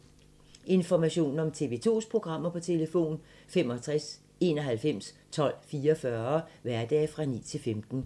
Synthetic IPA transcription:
ʔe̝nfɒmæɕo̝̰ːnn̩ɒ̽mt͡sʰe̝ʋe̝t͡sʰo̝̰ːspʰʁo̝ɡ̥ʁɑ̈m̰ɐpʰɒ̽t͡sʰe̝ləfo̝̰ːn | fem̰ɒt͡sʰʁas | e̝̰ːnɒ̽ɦælfem̰s | t͡sʰɒ̽l̰fiːɐfɶɐʋæɐd̥ɛ̰ːfʁɑ̈nḭːt͡sʰe̝lfemd̥n̩

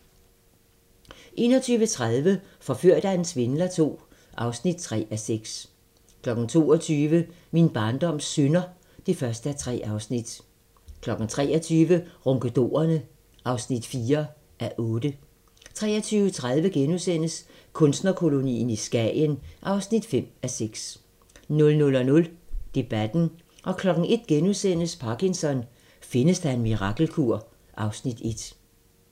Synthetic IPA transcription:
ʔe̝̰ːnɒt͡sʰyːʋət͡sʰʁað̞ˠʋə | fɒ̽føɐ̰d̥æensʋe̝nlɐt͡sʰo̝̰ː | ʔɑ̈ʊsnid̥̚t͡sʰʁɛ̰ːæseɡ̥s | kʰlɒ̽ɡ̥n̩t͡sʰo̝ːɒt͡sʰyːʋə | minb̥ɑ̈ːnd̥ɒ̽m̰sønɐ | d̥e̝fɶɐsd̥əæt͡sʰʁɛ̰ːʔɑ̈ʊsnid̥ | kʰlɒ̽ɡ̥n̩t͡sʰʁɛ̰ːɐt͡sʰyːʋəʁɔŋɡ̥əd̥o̝̰ːɐnə | ʔɑ̈ʊsnid̥fiːɐ | ʔæʔɔ̽ːd̥ə | t͡sʰʁɛ̰ːɐt͡sʰyːʊət͡sʰʁað̞ˠʋəɡ̥enusen̰əs | kʰɔ̽nsd̥nɐkʰo̝lo̝nḭːn̩isɡ̥ɛ̰jənʔɑ̈ʊsnid̥fem̰æseɡ̥s | nɔ̽lnɔ̽lɒ̽nɔ̽ld̥e̝b̥æd̥n̩ | ʔɒ̽kʰlɒ̽ɡ̥n̩e̝d̥̚ɡ̥enusen̰əspʰɑ̈kinsɒ̽n | fe̝nəsd̥æe̝nmiʁɑ̈ɡ̥l̩kʰuɐ̰ | ʔɑ̈ʊsnid̥e̝d̥

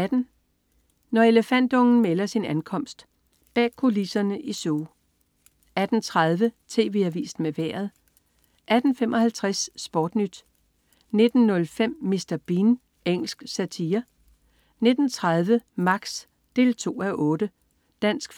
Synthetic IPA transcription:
æd̥n̩ | nɒe̝ləfæn̰d̥ɔ̽ŋn̩melɐsinænkʰɒ̽m̰sd̥ | b̥ɛ̰ːkʰo̝lisɐnəʔisoː | æd̥n̩t͡sʰʁað̞ˠʋət͡sʰe̝̰ːʋe̝̰æʋḭːsd̥meʋæɐ̰ð̞̩ˠ | ʔæd̥n̩femʔɒ̽hælt͡sʰʁasːb̥ɒːd̥nyd̥ | ne̝d̥n̩nɔ̽lfem̰ːisd̥ɐb̥in | eŋ̰l̩sɡ̥sæt͡sʰiːɐ | ne̝d̥n̩t͡sʰʁað̞ˠʋəmɑ̈ɡ̥s | d̥e̝̰ːlt͡sʰo̝̰ːæʔɔ̽ːd̥ə | d̥æn̰sɡ̥

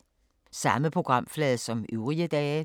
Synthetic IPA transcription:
sɑ̈məpʰʁo̝ɡ̥ʁɑ̈m̰flɛːðˠsɒ̽myʊʁiəd̥ɛː

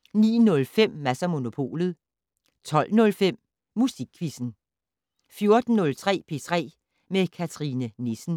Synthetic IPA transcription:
nḭːnɔ̽lfem̰ːæsɐmo̝no̝pʰo̝̰ːlð̞̩ˠ | t͡sʰɒ̽l̰nɔ̽lfem̰ | musiɡ̥̚kʰʋisn̩ | fjo̝ɐd̥n̩ːɔ̽lt͡sʰʁɛ̰ːpʰe̝ːt͡sʰʁɛ̰ː | mekʰæt͡sʰʁinənesn̩

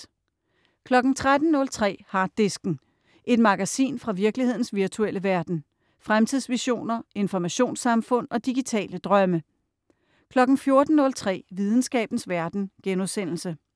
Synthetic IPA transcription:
kʰlɒ̽ɡ̥n̩t͡sʰʁad̥n̩nɔ̽lt͡sʰʁɛ̰ːhɑ̈ːd̥e̝sɡ̥n̩ | ʔe̝d̥mɑ̈ɡ̥æsḭːnfʁɑ̈ʋiɐɡ̥lihe̝ð̞̰ˠn̩sʋiɐt͡sʰuel̰əʋæɐd̥n̩ | fʁamt͡sʰiðˠsʋiɕo̝̰ːnɐe̝nfɒmæɕo̝̰ːnsɑ̈mfɔ̽n̰ɒ̽d̥iɡ̥it͡sʰɛ̰ːləd̥ʁɶmə | kʰlɒ̽ɡ̥n̩fjo̝ɐd̥n̩nɔ̽lt͡sʰʁɛ̰ːʋið̞ˠn̩sɡ̥ɛ̰ːb̥n̩sʋæɐd̥n̩ɡ̥enusen̰l̩sə

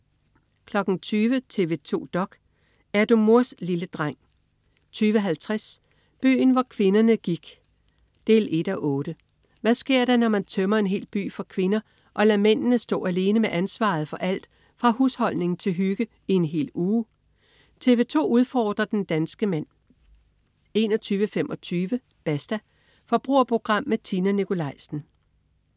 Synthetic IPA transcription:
kʰlɒ̽ɡ̥n̩t͡sʰyːʋət͡sʰe̝ʋe̝t͡sʰo̝̰ːd̥ɒ̽ɡ̥ | æɐd̥omuɐsliləd̥ʁaŋ̰ | t͡sʰyːʋəɦælt͡sʰʁas | b̥y̰ːn̩ʋɒkʰʋe̝nɐnəɡ̥iɡ̥ | d̥e̝ːle̝d̥æʔɔ̽ːɾ̥ə | ʋæsɡ̥e̝ɐ̰ɾ̥ɑnɒmænt͡sʰœmɐe̝nɦe̝̰ːlb̥y̰ːfɒ̈kʰʋe̝nɐ | ʔɒ̽læmen̰nəsd̥ɔ̰̽ːæle̝ːnəmeʔænsʋɑ̰̈ð̩ˠfɒ̽ʔæl̰d̥ | fʁɑ̈hushɒ̽l̰ne̝ŋn̩t͡sʰe̝lɦyɡ̥ə | ienɦe̝̰ːluː | t͡sʰe̝ʋe̝t͡sʰo̝̰ːuð̞ˠfɒːd̥ʁɐd̥end̥ænsɡ̥əmæn̰ | e̝nɒt͡sʰyːʋəfemʔɒ̽t͡sʰyːʋə | b̥æsd̥æ | fɒ̽b̥ʁṵɐpʰo̝ɡ̥ʁɑ̈m̰ːæt͡sʰinænikʰo̝lɑ̈ɪ̰sn̩

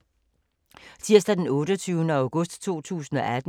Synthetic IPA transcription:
sʰiɐ̰sd̥æd̥enɔ̽ːɾɒt͡sʰyːʊnəæ̈ʊɡ̥ɔ̽sd̥t͡sʰo̝̰ːt͡sʰṵːsn̩ɒ̽ʔæd̥n

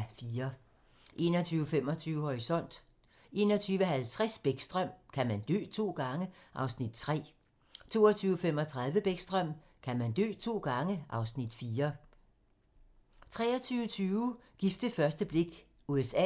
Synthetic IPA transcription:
fiːɐ | ʔe̝̰ːnɒt͡sʰyːʊəfem̰ɒ̽t͡sʰyːʊəhɒʁisɒ̽n̰d̥ | ʔe̝̰ːnɒt͡sʰyːʋəhælt͡sʰʁasb̥eɡ̥sd̥ʁœm̰kʰæmænd̥ø̰ːt͡sʰo̝̰ːɡ̥ɑ̈ŋəʔɑ̈ʊsnid̥̚t͡sʰʁɛ̰ː | t͡sʰo̝ːɒt͡sʰyːʊəfem̰ɒ̽t͡sʰʁäð̞ˠʋəb̥eɡ̥sd̥ʁœm̰ | kʰæmænd̥ø̰ːt͡sʰo̝̰ːɡ̥ɑ̈ŋəʔɑ̈ʊsnid̥fiːɐ | t͡sʰʁɛ̰ːɐt͡sʰyːʊət͡sʰyːʊɡ̥ifd̥əfɶɐsd̥əb̥le̝ɡ̥ | uesɛ̰

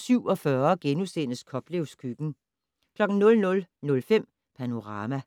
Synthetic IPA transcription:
syʊ̰ɒ̽fɶɐɡ̥enusen̰əskʰɒ̽b̥le̝ʊskʰyɡ̥n̩ | kʰlɒ̽ɡ̥n̩nɔ̽lnɔ̽lnɔ̽lfem̰ | pʰæno̝ʁɑ̈ːmæ

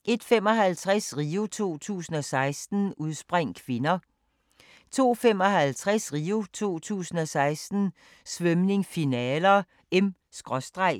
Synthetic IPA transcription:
ʔe̝d̥femɒ̽ɦælt͡sʰʁasʁiːut͡sʰo̝̰ːt͡sʰṵːsn̩ɒ̽sɑ̈ɪsd̥n̩uð̞ˠsb̥ʁaŋ̰kʰʋe̝nɐ | t͡sʰo̝̰ːfem̰ɒ̽ɦælt͡sʰʁasʁiːut͡sʰo̝̰ːt͡sʰṵːsn̩ɒ̽sɑ̈ɪsd̥n̩ | sʋœmne̝ŋfinɛːlɐ | em | sɡ̥ʁɒ̽sd̥ʁɑɪ̰

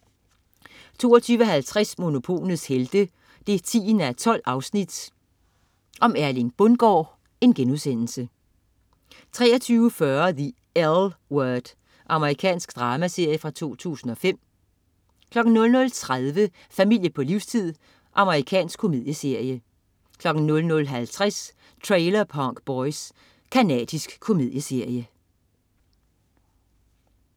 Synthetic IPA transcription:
t͡sʰo̝̰ːɒt͡sʰyːʋəɒ̽ɦælt͡sʰʁasmo̝no̝pʰo̝̰ːlð̩ˠsheld̥ə | d̥e̝t͡sʰḭːnæt͡sʰɒ̽l̰ɑ̈ʊsnid̥ | ʔɒ̽mæɐlinb̥ɔnɡ̥ɒ̰ː | e̝nɡ̥enuðˠsen̰l̩sə | t͡sʰʁɛ̰ːɐt͡sʰyːʊəfɶɐði | ælwœɐd̥ | ʔɑ̈məʁikʰɛ̰ːnsɡ̥d̥ʁɑ̈ːmæse̝ɐ̰jəfʁɑ̈t͡sʰo̝̰ːt͡sʰṵːsn̩ɒ̽fem̰ | kʰlɒ̽ɡ̥n̩nɔ̽lnɔ̽lt͡sʰʁaðˠʋə | fæmil̰jəpʰɒ̽liʊ̰st͡sʰið̰ˠ | ʔɑ̈məʁikʰɛ̰ːnsɡ̥kʰːo̝mi̝ð̰ˠjəse̝ɐ̰jə | kʰlɒ̽ɡ̥n̩nɔ̽lnɔ̽lɦælt͡sʰʁas | t͡sʰʁeɪlɐpʰɒŋ̰ɡ̥b̥ɒɪs | kʰænɛ̰ːd̥isɡ̥kʰːo̝mið̞ˠjəse̝ɐ̰jə

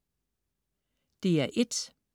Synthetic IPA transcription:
d̪̥e̝æɐʔed̥

